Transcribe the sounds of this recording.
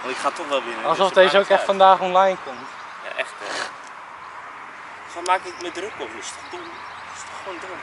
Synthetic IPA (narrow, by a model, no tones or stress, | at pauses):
ɑnɪkχaːtɔχʋɛlˠʋɪnəɑlˠsɔfdejzəowkɛχtfɑndaːχɔnlajnkɔmt | ja̰ʔɛχtə̰ | sɔmaːkɪkmədrəkɔpɪstɔχdɔm | ɪstɔχʋowndrək